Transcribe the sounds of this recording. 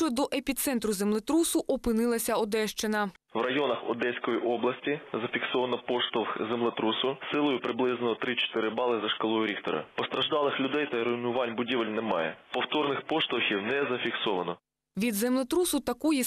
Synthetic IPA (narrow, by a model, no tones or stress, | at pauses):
t͡ʃɔd̪ɔʔepʲit̪sɛnt̪ɾʊzemlˠɪt̪ɾusʊʔɔpɪnɪlˠɐsʲɐɔd̪ɛʃt͡ʃɪnɐ | wrɐjɔnɐxɔ̰d̪ɛsʲkɔjiʔɔblˠɐsʲtʲizɐfʲiksɔʋɐnɔpɔʃt̪ɔwxzemlˠet̪ɾusʊsɪlˠɔjʊpɾɪblˠɪznɔɔt̪ɾɪt͡ʃɔ̥t̪ɪɾɪbɑlˠɪzɐʃkɐlˠɔjʊɾʲixt̪ɔ̰ɾɐ̰pɔst̪ɾɐʒd̪ɑlˠɪxlʲʊd̪ɛjt̪ɐɾɔinʊʋɑnʲbʊdʲiʋelʲnemɑ̰jɛ̰pɔwt̪ɔrnɪxpɔʃt̪ɔwxʲiwnɛzɐfʲiksɔʋɐnɔ | ʋʲid̪zɛmlˠɪt̪ɾusʊt̪ɐkɔji